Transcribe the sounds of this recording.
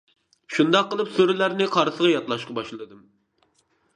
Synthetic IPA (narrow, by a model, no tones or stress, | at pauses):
ʃund̪ɑqːəlˠɨpsøɾɪlæɾnɪqʰɑɾsəʁɑjɑt̪lˠɑʃqɑbɑʃlˠɨd̪ɨm